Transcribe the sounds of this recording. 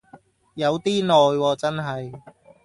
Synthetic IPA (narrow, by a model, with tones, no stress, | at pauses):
jɐ˨˧wt̪iː˥nɔː˨jwɔː˧t͡sɐ˥nɦɐ˨j